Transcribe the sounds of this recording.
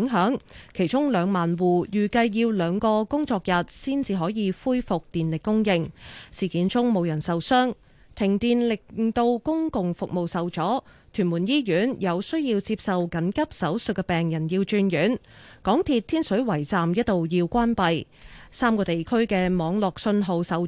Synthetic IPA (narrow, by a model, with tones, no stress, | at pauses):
ŋɦœː˨˥ŋkʰe˨˩jt͡ʃʊ˥ŋlœː˨˧ŋmaː˨nwuː˨˩jyː˨˩kɐ˧jːiː˧wlœː˨˧ŋkɔː˧kʊ˥ŋt͡sɔː˧k̚jɐ˨t̚siː˥nt͡siː˧ɦɔː˨˥jiː˨˧fuː˥jfʊ˨k̚t̪iː˨nlɪ˨kːʊ˥ŋjɪ˧ŋsiː˨˩kiː˨˥nt͡sʊ˥ŋmo˨˧wjɐ˨˩nsɐ˨wsœː˥ŋ | t̪ʰɪ˨˩ŋt̪iː˨nlɪ˨k̚t̪o˧wkʊ˥ŋkʊ˨ŋfʊ˨k̚mo˨wsɐ˨wt͡sɔː˨˥t̪ʰyː˨˩nmu˨˩njiː˥jyː˨˥njɐ˨˧wsɵ˥ɥjiː˧wt͡siː˧p̚sɐ˨wkɐ˨˥nkɐ˥p̚sɐ˨˥wsɵ˨t̚kːɛ˧pɛː˨ŋjɐ˨˩njiː˧wt͡ʃyː˧njyː˨˥nkɔː˨˥ŋt̪ʰiː˧t̪̚ʰiː˥nsɵ˨˥ɥwɐ˨˩jt͡saː˨mjɐ˥t̚t̪ːo˨wjiː˧wkʷaː˥npɐ˨j | saː˥mkɔː˧t̪e˨jkʰɵ˥ɥkɛː˧mɔː˨˧ŋlɔː˨k̚sɵ˧nɦo˨˧wsɐ˨˧w